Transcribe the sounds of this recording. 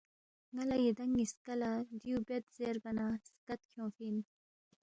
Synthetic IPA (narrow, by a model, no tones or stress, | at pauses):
ŋalajid̪aŋːiskalad̪iubet̪zeɾbɐnaskat̪̚kʰjõːfin